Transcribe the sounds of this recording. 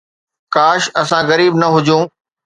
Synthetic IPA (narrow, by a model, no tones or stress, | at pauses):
kaːʃɐsãɣɐɾiːbnɐɦʊd͡ʑũː